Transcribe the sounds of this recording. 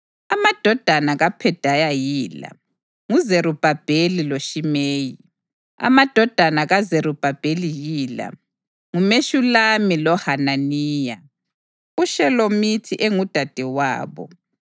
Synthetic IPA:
amad̥ʱɔd̥ʱanaɣapʰɛd̥ʱajajiːla̰ | ŋuzeɾub̥ʱab̥ʱeliloʃimeːji | a̰mad̥ʱɔd̥ʱanaɣazeɾub̥ʱab̥ʱelijiːla̰ | ŋumeʃulamilɔhananiːja | uʃɛlomitʰiʔeŋud̥ʱad̥ʱɛwa̰ːβɔ̰

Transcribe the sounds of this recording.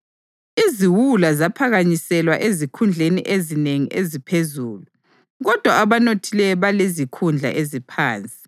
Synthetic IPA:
iziwulazapʰaɣaɲisɛlwaʔezikʰund͡ɮʱeniʔezineŋiʔezipʰezuːlu | ɣɔd̥ʱwaaβanotʰilɛβalezikʰund͡ɮʱa̰ʔezipʰaːnt͡sʼi̥

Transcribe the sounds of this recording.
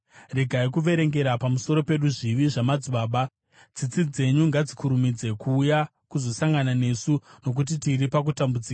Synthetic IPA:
riɡʱaikuʋe̞ɾe̞ŋɡe̞ɾapamuso̞ɾo̞pe̞ɗuʐiʋiʐamad͡zuɓaːɓa | d͡zit͡sid͡ze̞ɲuŋɡad͡zikʰuɾumid͡ze̞kʰuːja | kuzo̞saŋɡanane̞ːsuno̞k̬ut̬itiɾipakutambud͡ziːka

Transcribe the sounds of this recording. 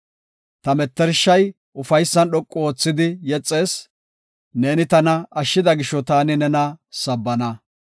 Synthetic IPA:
t̪ɐmɛt̪ːɛɾʃːɐj | ʔʊfɐjsːɐnɗɔkʼːɔoːt͡sːɪd̪ɪjɛt͡sʼːe̞ːs | ne̞ːnɪt̪ɐnɐɐʃːɪd̪ɐɡɪʃːɔt̪aːnɪnɛnɐsɐbːɐnɐ

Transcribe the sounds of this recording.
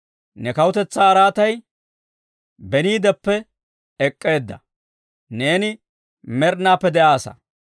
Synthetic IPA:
nɛkɐwʊt̪ɛt͡sːaːɾaːt̪ɐj | bɛniːd̪ɛpːɛ | ɛkʼːe̞ːd̪ːɐ̰ | ne̞ːnɪ | mɛɾnːaːpːɛd̪ɛʔaːsɐ̰

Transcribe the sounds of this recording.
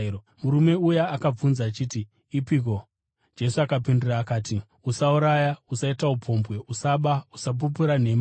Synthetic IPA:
muɾume̞ujaːkab͡vunzaːt͡ʃiːti | ipiko̞ | d͡ʒe̞suakapinduraːkaːti | usauɾajausaitaupʰo̞mbwe̞ʔusaɓausap̬up̬uɾane̞ma

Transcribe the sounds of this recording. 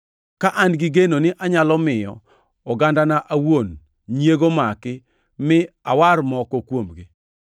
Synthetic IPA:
kaʔanɡɪɡenonɪʔaɲalɔmɪjɔ̰ | ɔɡandanaʔawon | ɲjeɡomakɪ | mɪawaɾmɔkɔkwomɡɪ

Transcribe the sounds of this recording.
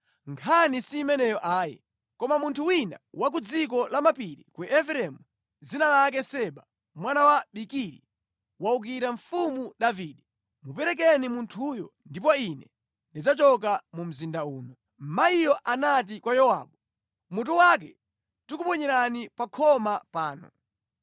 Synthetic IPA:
ŋkʰanisiːmɛnɛjɔʔaːjɛ̰ | kɔmamuntʰuwina̰wak̬ud͡zik̬ɔlamapiɾikuʔɛfɾɛmu | zinalak̬ɛsɛɓa | mwanawaɓikiɾi | wauk̬iɾaɱfumuɗaviːɗɛ | mupɛɾɛk̬ɛnimuntʰujɔndip̬ɔinɛ | ndid͡zat͡ʃɔk̬amum̩zindauːnɔ | m̩maijɔʔanat̬ikwajɔwa̰ːɓɔ | mut̬uwak̬ɛ | tukupɔɲɛɾanipakʰɔmapaːnɔ̰

